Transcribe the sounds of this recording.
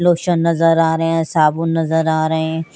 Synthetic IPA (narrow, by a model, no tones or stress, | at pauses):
loːʃənnɐzəɾaːɾəɦẽːsaːbũnɐzəɾaːɾɐɦẽ